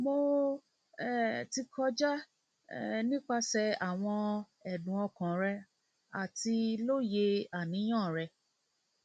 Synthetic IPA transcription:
mo˧ | ɛ˦˨ti˧kʰɔ˧d͡ʒa˦˨ | nĩ˦k͡pa˧sɛ˧a˨w̃ɔ̃˧ | ɛ˨dũ˨˦ɔ˧kã˨ɾɛ˧ | a˨ti˧lo˦je˧a˨nĩ˨˦j̃ã˦˨ɾɛ˧

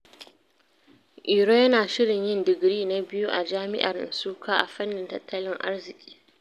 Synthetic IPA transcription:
ʔi˨ɾoː˦jɐ˦naː˨ʃɪ˦ɽɪ˨ɲjɪ˦ndɪ˨ɡɽiː˦na˨bɪ˦ju˦ʔa˨d͡ʒaː˦mɪ̰˦ʔa̰˨rsuː˦kʰaː˦ʔa̰˨ɸɐ˦nːɪ˨ntɐ˨tʰːɐ˦lɪ˦ŋʔa̰˦rzɪ˨kʲʼi̥ː˦

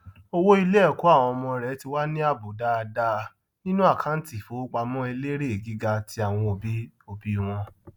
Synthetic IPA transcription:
o˧wo˦i˧le˦ɛ˦˨ko˨˦a˦˨w̃ɔ̃˧mɔ̃˧ɾɛ˨˦ti˧wa˦nĩ˦a˦˨bo˨˦da˦˧da˧ | nĩ˦nũ˦a˦˨kʰã˦n̩˦ti˨fo˨˦k͡pa˧mɔ̃˦e˧le˦ɾe˦e˨ɡi˨˦ɡa˧tʰi˧˦a˨w̃ɔ̃˧o˨bi˨˦o˧˨bi˦˧w̃ɔ̃˧

